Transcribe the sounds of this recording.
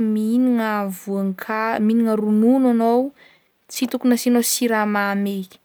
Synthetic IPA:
miniŋəvuaŋkʰaminiŋəɾununanow | t͡sit̪ukunəsinosiɾamame̥

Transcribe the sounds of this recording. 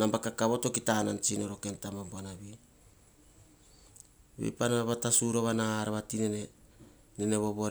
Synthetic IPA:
nambakakaβoto̞kitanant͡ʃino̞ɾoke̞ntamamboanaβi | βḛjpanaβatasuɾoβanaaɾaβatine | nene̞βo̞βo̞ɾ

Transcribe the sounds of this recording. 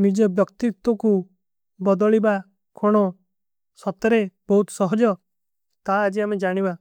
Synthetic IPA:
mid͡ʒɔbjɔkt̪it̪wɔku | bɔd̪ɔɭiba | kʰoɽ̃ɔ | sɔt̪ɔɾebɔɦut̪sɔɦɔd͡ʒɔ | t̪aːd͡ʒiamed͡ʒaɽ̃iba

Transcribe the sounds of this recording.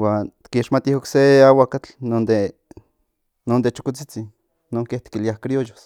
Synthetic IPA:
waːnt̪kiʃmat̪ihokseawakat͡ɬnond̪e | nond̪et͡ʃo̥kot͡sit͡sinː | oːŋkeht̪i̥kiliahkɾiojos

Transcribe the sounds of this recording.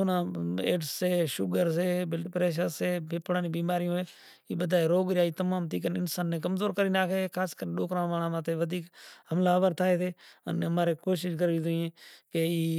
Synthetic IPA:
onãːḛːɖsːeːʃʊɡəɾs̬eːbpɾeːʃ̬əseːbʱɪpɽaːnĩːbiːmaːɾɪjõːɦeː | iːbəd̪ʱaːeɾoːɡɾjaːiːt̪əmaːmt̪iːk̬ənɪnsaːnːeːkəmzoːɾkəɾiːnaːkeekʰaːskəɾneɗoːkɾãːʋaːnãːmãːt̪ʰeːʋəd̪ʱiːkhəmlaːəʋəɾt̪ʰaːeːt̪ʰeːə̰nːɦəmaːɾeːkoːʃɪʃkəɾiːd̪ʊiːẽːkeiː

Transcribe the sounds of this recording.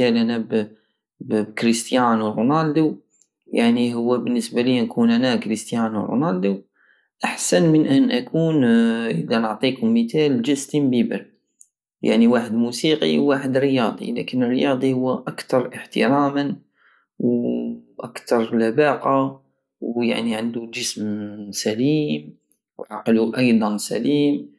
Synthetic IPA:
ælʔænæb | bbkɾist̪janwɾunald̪u | jaʕniɦʊwːæbənːəsbælinkunʔænækɾist̪januɾˤṵnald̪u | ʔaħsænmənʔənʔækʰuːnʔəd̪ænəʕt̪ˤikʊmːət̪æld͡ʒəst̪imbibə̰ɾ | ja̰ʕniwaħəd̪musiqḭwːaːħəd̪ɾəjɑːd̪ˤḭlæ̰kənːərːəjɑːd̪ˤihʊwːʔakt̪ɑɾˤʔəħt̪ə̰ɾɑmən | w | ʔakt̪ɑɾˤlabaqɑ | wja̰ʕniʕand̪ud͡ʒəsmsæliːm | wʕɑqluʔɑjd̪ˤɑnsæ̰liːm

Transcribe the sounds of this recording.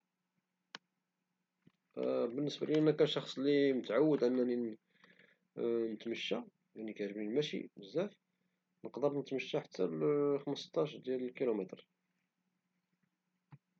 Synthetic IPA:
bənːəsbæ̰liənːækænʃɑxsˤlimət̪ʕawːəd̪ʔənːæni | nət̪məʃːa | jænikæʕʒbilmæʃḭəzːæf | nəqd̪əɾˤnət̪məʃːaħat̪ʰːælxəməst̪ɑʃd̪jæləlkilumæt̪ɾ

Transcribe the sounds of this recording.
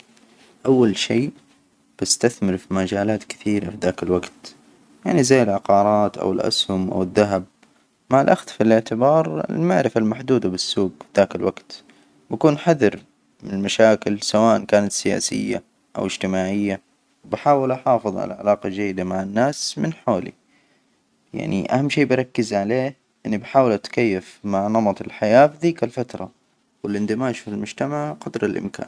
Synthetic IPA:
ʔawːalʃeː | b̥ɪst̪aθmɪɾfimad͡ʒaːlaːt̪kɪ̥θiːɾafiðaːkɪlwaɡt̪ | jaʕnizajːɪlʕɑqɑːɾˤɑːt̪ʔa̰wɪlʔa̰shʊmʔa̰wɪðːaɦab̚ | maʕalʔaxt̪filʔɪʕt̪ɪbɑːɾˤɪ̰lmaʕɾɪfalmaħd̪uːd̪abɪsːuːɡfiðaːkɪlwaɡt̪ | bakuːnħaðɑɾ | mɪnɪlmaʃaːkɪlsawaːʔankaːnat̪sɪja̰ːsɪ̰jːa̰ | ʔa̰wɪd͡ʒt̪ɪmaːʕɪjːa | wbɪħaːwɪlʔaħɑːfɨðˤʕa̰laʕa̰lɑːqɑd͡ʒajːɪd̪amaʕɪnːaːsmɪnħoːlḭ | ja̰ʕnḭʔa̰hamːʃiːbɪɾˤɑkːɪzʕaleː | ʔɪnːibɪħaːwɪlʔat̪kajːafmaʕnɑmɑt̪ˤɪlħajaːfðiːkalfat̪ɾˤɑ̰ | wɪlʔɪnd̪ɪmaːʃfɪlmʊd͡ʒt̪amaʕqɑd̪ɾˤalʔɪ̰mka̰ːn

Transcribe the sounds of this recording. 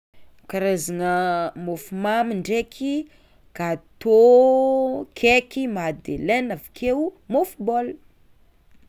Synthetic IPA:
kaɾazanəmofumamiɳɖ͡ʐekʰi | ɡ̥at̪o | kʰekimad̪elɛnavikʰewmofubol

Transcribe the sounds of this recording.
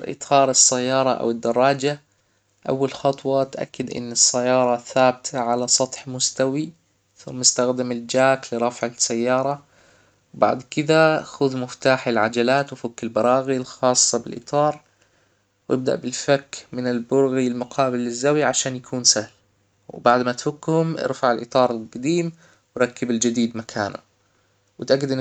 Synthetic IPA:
ɾʔɨ̰t̪ˤʰɑːɾˤɨsːajːɑːɾˤɑʔa̰wɪd̪ːɑrˤːɑːd͡ʒa | ʔa̰wːalxɑt̪ˤwɑt̪ʔa̰kːɪd̪ʔɪ̰nːɪsːajːɑːɾˤɑθaːbɪt̪ʰaʕalasˤɑt̪ˤħmʊst̪awi | θʊmːɪst̪axd̪ɪmɪld͡ʒaːklɪɾˤɑfʕasːajːɑːɾˤɑ | wba̰ʕd̪kɪd̪axʊðmɪft̪aːħɪlʕad͡ʒalaːt̪wfakːɪlbɑɾˤɑːɣilxɑːsˤːɑbɪ̰lʔɨ̰t̪ˤɑːɾˤ | wʔɪb̚d̪a̰ʔbɪlfakːmɪnɪlbʊɾɣilmʊqʰɑːbɪlːɪzːawiʕaʃaːnjakʰuːnsahl | wbaʕd̪mat̪fʊkːhʊmʔɪ̰ɾfaʕɪlʔɨt̪ˤɑːɾˤɪlqɑd̪iːm | wɾˤɑkːɪbɪld͡ʒɪd̪iːd̪makʰaːnʊ̰ | wɪt̪ʔaɡːɪd̪ʔɪn

